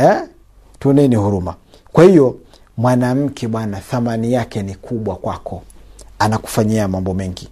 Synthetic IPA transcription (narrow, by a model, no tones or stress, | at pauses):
ɛ | tuɔnɛnihuɾuma | kwahijɔ | mwanam̩kʰɛɓwanaθamanijakɛnikʰuɓwakwakʰɔanaku̥faɲiamambɔmɛŋɡi